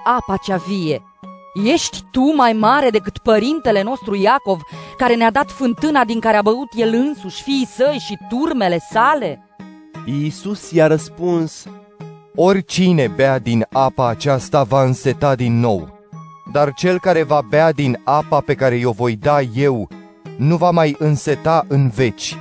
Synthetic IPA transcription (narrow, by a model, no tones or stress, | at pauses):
apat͡ʃavije̞ | je̞ʃt̪ʲt̪umajmaɾe̞d̪e̞kɨt̪pəɾint̪e̞le̞no̞st̪ɾujako̞vkaɾe̞nead̪at̪fɨnt̪ɨnad̪iŋkaɾeabəut̪je̞lɨnsuʃʲfiːsəjʃit̪urme̞le̞sale̞ | isusjaɾəspuns | o̞rʲt͡ʃine̞bead̪inapaːt͡ʃast̪avaɨnse̞t̪ad̪inːo̞̰w | d̪art͡ʃe̞lkaɾe̞vabead̪inapape̞kaɾe̞jo̞vo̞jd̪aje̞w | nuvamajɨnse̞t̪aʔɨnve̞t͡ʃʲ